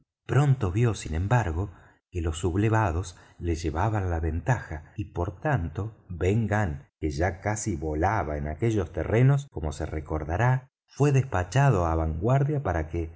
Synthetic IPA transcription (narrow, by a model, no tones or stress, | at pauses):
pɾo̞nt̪o̞βjo̞sinẽ̞mbaɾɣo̞ | kelo̞sːuβleβaðo̞sleʒe̞βaβanlaβe̞nt̪axaipo̞ɾt̪ant̪o̞βeŋɡaŋkeʒakasiβo̞laβaenakeʒo̞st̪ḛre̞no̞sko̞mo̞sḛreko̞ɾðaɾa | fwe̞ðespat͡ʃað̞oaβaŋɡwaɾðjapaɾake